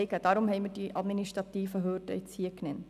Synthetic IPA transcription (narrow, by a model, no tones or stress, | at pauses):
ɪɡəd̥ɑːɾʊmhɛɪmərdiʔɑdminiʃtɾɑt̪iːfəɦøːdə̰ɪt͡siəknɛnt